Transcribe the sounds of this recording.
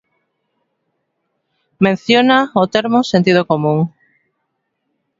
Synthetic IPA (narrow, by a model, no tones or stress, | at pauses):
mẽn̟θjonaot̪eɾmʊsent̪ið̞okomũŋ